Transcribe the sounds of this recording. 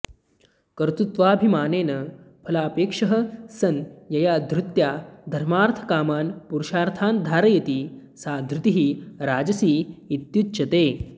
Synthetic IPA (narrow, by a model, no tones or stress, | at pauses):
kɐɾt̪ut̪ʋaːbʱimaːneːnɐ | pʰɐlaːpeːkʂɐɦɐ̆sɐnjɐjaːd̪ʱɾut̪jaːd̪ʱɐɾmaːɾt̪ʰɐ̥kaːmaːnpuɾuʃaːɾt̪ʰaːnd̪ʱaːɾɐjɐt̪isaːd̪ʱɾut̪iɦiɾaːd͡ʒɐsiːt̪jutːt͡ʃɐt̪eː